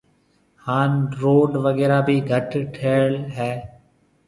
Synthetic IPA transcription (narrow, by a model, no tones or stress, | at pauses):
haːnɾoːɖʋəɠɛːɾaːbʱiːɡʱəʈʈʰeːlɦɛː